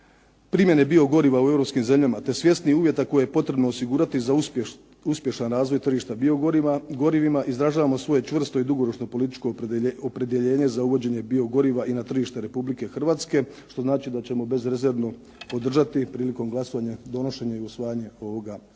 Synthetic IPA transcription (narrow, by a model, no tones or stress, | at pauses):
pɾimje̞ne̞bio̞ɡo̞ɾiʋauevɾo̞pskimze̞mʎamat̪e̞sʋje̞st̪niuːʋje̞t̪ako̞jejepo̞t̪ɾe̞bnoosiɡuːɾat̪iza | uspje̞ʃanɾaːzʋo̞jt̪r̩ʒiʃt̪abio̞ɡo̞ɾimaɡo̞ɾiʋimaʔizɾaʒaːʋamo̞sʋo̞je̞t͡ʃʋr̩st̪o̞id̪uɡo̞ɾo̞t͡ʃno̞po̞lit̪it͡ʃkoopɾe̞d̪je̞ʎe̞ːɲe̞zauʋo̞d͡ʑe̞ɲe̞bio̞ɡo̞ɾiʋaʔinat̪r̩ʒiʃt̪e̞ɾe̞publike̞xr̩ʋaːt̪ske̞ʃt̪o̞znaːt͡ʃid̪at͡ɕe̞mo̞be̞zɾeze̞ɾno | po̞d̪r̩ʒat̪ipɾiːliko̞mɡlaso̞ʋaɲad̪o̞no̞ʃe̞ɲaiusʋaːjaɲe̞o̞ʋo̞ɡa